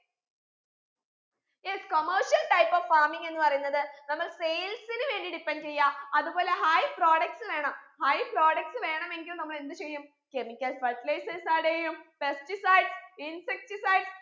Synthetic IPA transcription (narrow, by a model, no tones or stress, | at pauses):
jeskomɐrɕɐlʈɐjpːoːʋfaːmiŋɡe̞nːɨpɐrɐjunːɐðɨnɐmːɐɭsejlsinɨʋe̞ːɳɖiɽipːent͡ɕejːaːɐðuboːle̞ɦɐjpro̞ːɽɐk̚ʈsɨʋe̞ːɳɐmhɐjpro̞ːɽɐk̚ʈsɨʋe̞ːɳɐme̞ŋɡilumnɐmːɐɭe̞nd̪ɨt͡ɕejːum | ke̞mikʲːɐlʋɐplejsesaːɽejumpe̞stisɐjɖsinsek̚tisɐjɖs